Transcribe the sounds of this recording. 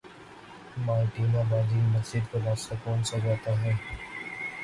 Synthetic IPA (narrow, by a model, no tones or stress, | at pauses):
maːɾʈiːnabaːd̪imɐzd͡ʒɪd̪koɾaːst̪akɔːnsad͡ʒaːt̪aɦɛː